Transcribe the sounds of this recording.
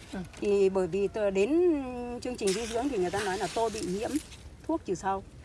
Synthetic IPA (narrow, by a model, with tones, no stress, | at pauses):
t̪ʰi˨˩ɓəː˧˩jvi˨˩t̪ːɗe˨˦nt͡ɕɨ˧əŋt͡ɕï˨˩ŋ̟zi˧zɨ̰˧˥əŋt̪ʰi˨˩ŋɨ˨˩jt̪aː˧nɔ˨˦jlaː˨˩t̪o˧jɓḭ˧˨ɲḭ˧˥əm | t̪ʰu˦˥ək̚t͡ɕɨ˨˩sa˧w